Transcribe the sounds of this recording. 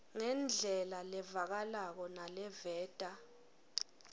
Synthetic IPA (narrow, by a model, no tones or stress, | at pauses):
ŋɛnd͡ɮʱɛlalɛvak̬alak̬ɔnalɛvɛːtʼa